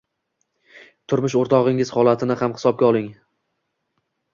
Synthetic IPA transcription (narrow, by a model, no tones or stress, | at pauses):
t̪ʰʊɾmʊʃ̬oɾt̪ʰɒʁɪŋɪz̥hɒlˠat̪ʰɪnɪhamhɪ̥sɒb̚ɡʲaɒlˠɪŋ